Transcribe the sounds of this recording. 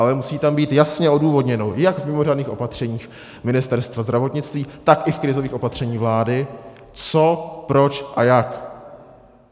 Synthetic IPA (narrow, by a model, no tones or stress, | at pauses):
ʔalɛmusiːt̪ambiːt̪jasɲɛʔo̞duːvo̞dɲɛnojaɡvmɪmo̞raːdniːxʔo̞̰pat̪r̝̥ɛɲiːx | mɪnɪst̪ɛɾst̪vazd̪ɾavo̞t̪ɲɪt͡st̪viːt̪akʔɪfkɾɪzo̞viːxʔo̞pat̪r̥ɛɲiːvlaːdɪ | t͡so̞pɾo̞t͡ʃʔajak